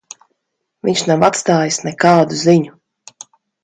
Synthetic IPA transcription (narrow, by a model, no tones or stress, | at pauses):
viɲʲʃnawat̪st̪aːjisnɛkaːd̪uziɲu